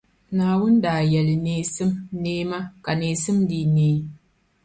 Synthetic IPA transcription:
naː˨wʊ˦n˦daː˨jɛ˨lɪ˨neː˦sɨ˦mneː˦ma˦ka˨neː˨sɨ˦mdi˨neː˦

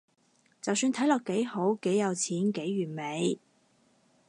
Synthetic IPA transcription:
t͡sɐ˨wsyː˧nt̪ʰɐ˨˥jlɔː˨kːe˨˥jho˨˥wke˨˥jɐ˨˧wt͡sʰiː˨˥nke˨˥jɥyː˨˩nme˨˧j

